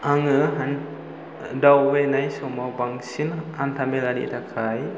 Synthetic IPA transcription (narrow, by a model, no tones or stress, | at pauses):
ʔaŋəɦan | dawwenajsomawbaŋsinant̪ʰameladḭʔt̪akʰaj